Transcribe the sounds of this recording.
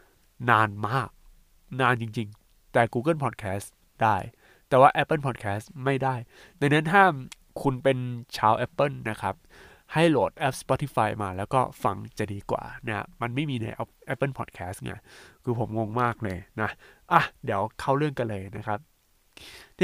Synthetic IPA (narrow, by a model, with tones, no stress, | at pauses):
naː˧nmaː˥˩k̚ | naː˧nt͡ɕi˧ŋt͡ɕi˧ŋ | t̪ɛː˨˩kuː˧k̬ɤ˥˩npʰɔː˨˩t̪̚kʰɛː˦˥s | d̥aː˥˩j | t̪ɛː˨˩waː˥˩ʔɛ˦˥pːɤ˥˩npʰɔː˨˩t̪̚kʰɛː˦˥sma˥˩jda˥˩j | na˧ŋna˦˥nt̪ʰaː˥˩ | kʰu˧npe˧nt͡ɕʰaː˧wʔɛ˦˥pːɤ˥˩nːa˦˥kʰa˦˥p̚ | ha˥˩jloː˨˩t̪̚ʔɛ˦˥p̚spɔ˦˥t̪ʰi˦˥faː˧jmaː˧lɛː˦˥wkɔː˥˩fa̰˧ŋt͡ɕa˨˩diː˧kwa̰ː˨˩na̰˥˩˦ma˧nma˥˩jmiː˧na̰˧jʔɛ˦˥p̚ʔɛ˦˥pːɤ˥˩npʰɔ̰˨˩t̪̚kʰɛː˦˥sŋa̰˧˩kʰɯː˧pʰo˩˦mŋo˧ŋmaː˥˩k̚lɤː˧jna˦˥ʔa˧˩di˨˩˦əwkʰa˥˩wɾɯ˥˩əŋka˧nlɤː˧jna˦˥kʰa˦˥p̚